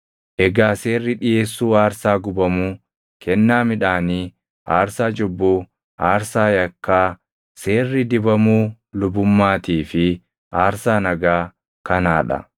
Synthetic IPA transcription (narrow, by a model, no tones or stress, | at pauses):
ʔɛɡaːse̞ːrːɪᶑɪjeːsːuːaːɾsaːɡʊbɐmuː | kɛnːaːmɪᶑaːniː | ʔaːɾsaːd͡ʒɔbːuː | ʔaːɾsaːjɐkːaː | se̞ːrːɪd̪ɪbɐmuː | lʊbʊmːaːt̪iːfɪ | ʔaːɾsaːnɐɡaː | kɐnaːᶑɐ̰